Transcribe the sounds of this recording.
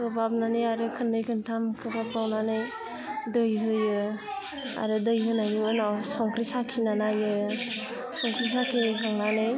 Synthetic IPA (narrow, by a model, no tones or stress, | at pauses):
kɯbap̚nanɯjaɾɯkʰɯnːɯjkʰɯntʰamkʰɯbapawnanɯj | dɯjɦɯjɯ | a̰ɾɯdɯjɦɯnajnuɯnawsɔŋkɾisakʰinanajɯ | sɔŋkɾisakʰeɦaŋnanɯj